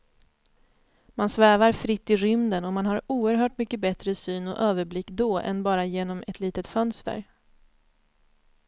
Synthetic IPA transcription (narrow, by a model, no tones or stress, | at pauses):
mansvɛːvaɾfɾɪt̪ːɪɾʏmd̪ənɔmanɦaɾuːəɾɦœːʈmʏkːəbɛt̪ɾəsyːnɔ̰ʔøːvəɾblɪkːd̪ɔɛ̰nbɑːɾajeːnɔmɛ̰t̪ʰliːt̪ət̪fœnst̪ə̰ɾ